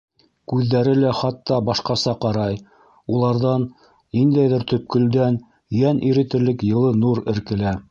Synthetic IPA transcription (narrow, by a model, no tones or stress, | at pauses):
kʉðːæɾɘlæχɑt̪ːɑbɑʃqɑsɑqɑɾɑj | ulˠɑɾðɑnː | ind̪æjðɘɾt̪ɵ̆p̚kɵ̆ld̪æn | jænʔiɾɘ̆t̪ɘ̆ɾlɘkjɤ̆lˠɤnuɾɘ̆ɾkɘ̆læ